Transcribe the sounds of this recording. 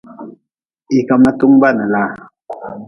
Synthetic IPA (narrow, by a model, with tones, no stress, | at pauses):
i˨ka˨mna˦tu˦ŋba˦˨na˨la˦˨